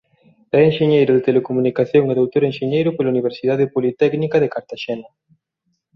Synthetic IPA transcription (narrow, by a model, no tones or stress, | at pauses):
ɛeŋʃeɲejɾʊðet̪elekomunikaθjoŋeðowt̪oɾenʃeɲejɾʊpelauniβ̞eɾsiðað̞epolit̪ɛknikaðekaɾt̪aʃɛna